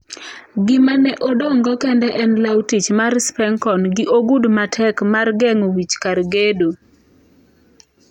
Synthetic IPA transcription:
ɡɪmanɛʔodɔŋɡɔkɛndɛʔɛnlawtit͡ʃmarspɛŋkɔnɡɪʔoɡudmatʰɛkmarɡɛŋowit͡ʃkaɾɡedo

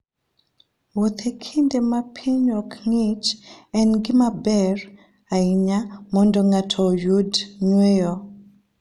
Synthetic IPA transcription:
wot̪ʰekʰindemapʰiɲɔkŋɪt͡ʃɛnɡɪmabɛr | aiɲamɔndɔŋatʰɔjudɲwejɔ

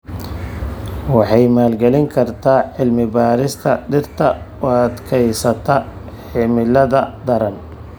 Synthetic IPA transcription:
wɑħɑjmaːlɡɛlɪŋkʰɐrt̪ʰaːʕɪlmɪbaːɾɪst̪ʰɐɖɪrt̪ʰɐɔɐt̪kʰɛjsɐt̪ʰɐ | ħɪmɪlɐðɐd̪ɐɾɐn

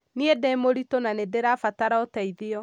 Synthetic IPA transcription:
niedɛmoɾitonanedeɾafataɾaɔtaiðiɔ

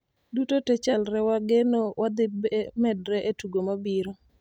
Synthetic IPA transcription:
dutotɛt͡ʃalɾɛwaɡenowʔad̪ɪbmɛdɾɛʔetuɡomabiɾo

